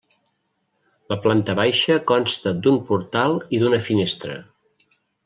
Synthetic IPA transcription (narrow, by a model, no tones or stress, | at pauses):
ləplant̪əβajʃəkɔnst̪əd̪umpuɾt̪alˠiðunəfinest̪ɾə̰